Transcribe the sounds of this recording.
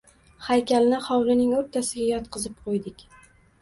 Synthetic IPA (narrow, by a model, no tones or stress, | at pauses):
hajkʲalnɪχɒwlɪnɪŋoɾt̪ʰasɪɡʲajɒt̪qʰɨzɪp̚qʰojd̪ɪkʲ